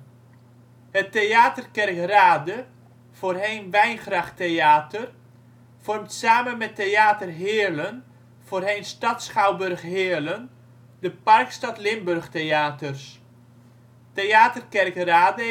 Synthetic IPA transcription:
ɦətejaːtərkɛrkraːdə | v̥oːrɦejnʋɛjnχrɑχtejaːtər | v̥ɔrmtsaːmənmɛtejaːtərɦɪːlən | v̥oːrɦejnstɑtsχɑwbɵrχɦɪːlən | dəpɑrkstɑtlɪmbɵrχtejaːtərs | tejaːtərkɛrkraːdə

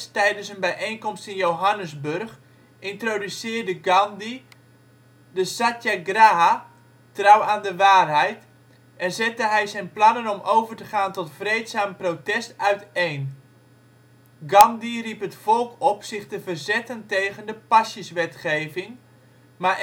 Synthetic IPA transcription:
stɛjdənsənbɛjʔejnkɔmstɪnjowɦanəzbɵrχ | ʔɪntrodysɪːrdəɡɑndi | dəsatjaɡraɦa | trawaːndəʋaːrɦɛjt | ɛnzɛtəɦɛjzɛjnplɑnənɔmʔowvərtəχaːntɔtfrejtsaːmprotɛstœɥtejn | ɡɑndiripɦətfɔlˠkɔpsɪχtəvərzɛtəntejɣəndəpasjəsʋɛtχejvɪŋ | ma

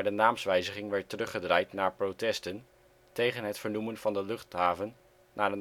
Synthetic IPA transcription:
ɹdənaːmsʋɛjzəχɪŋʋɛɹtərɵχədrajtnaːɹprotɛstən | tejχənɦətfəɹnumənv̥ɑndəlɵχtɦaːvənː | aːɹə

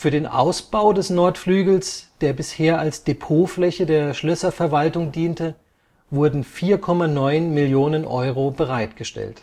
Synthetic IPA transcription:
fyːɐdeːnʔa̰ʊsb̥aʊdɛsnɔɐtflyːɡl̩sd̥eːɐbɪsheːɐalsd̥epʰoːflɛçədeːɐʃlœsɐfɛɐvaltʊŋdiːntə | vʊɐdn̩fiːɐkʰɔmanɔʏnmɪljoːnənʔɔʏʁobəʁaɪtɡ̥əʃtɛ̰lt

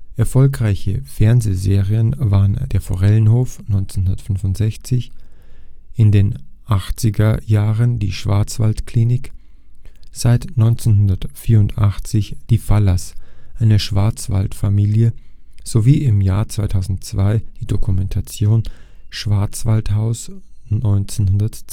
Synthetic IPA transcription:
ʔɛɐfɔlkʁaɪçəfɛɐnzeːzeːʁiənvaːʁənd̥eːɐfo̰ʁɛlənhoːfnɔʏnt͡senhʊndɐtfʏnvʊntz̥ɛçt͡sɪç | ʔɪndeːnʔaχt͡sɪɡɐjaːʁəndiːʃv̥a̰ɐt͡sv̥a̰ltkliːnɪk | z̥aɪtnɔʏnt͡senhʊndɐtfiːɐʊntʰʔaχt͡sɪçd̥iːfalasʔaɪnəʃv̥aɐt͡sv̥a̰ltfamiːljəz̥oviːɪmjaːɐt͡sv̥aɪtʰaʊzn̩tt͡sv̥aɪd̥iːdokʰumɛntʰat͡sjoːnʃv̥aɐt͡sv̥althaʊsnɔʏnt͡senhʊndɐt

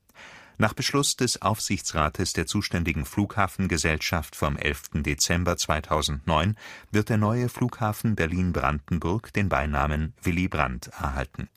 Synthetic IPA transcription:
naːχb̥əʃlʊsd̥ɛsʔa̰ʊfz̥ɪçt͡sʁaːtʰəsd̥eːɐt͡suːʃtɛndɪɡŋ̩fluːkhaːfn̩ɡəzɛlʃaftfɔmʔɛ̰lftn̩det͡sɛmbɐt͡sv̥aɪtʰaʊzn̩tnɔʏnvɪɐtd̥eːɐnɔʏəfluːkhaːfn̩bɛɐliːnbʁa̰ndn̩bʊɐkd̥eːnba̰ɪnaːmənv̥ɪlibʁa̰ntɛɐɦa̰ltn̩

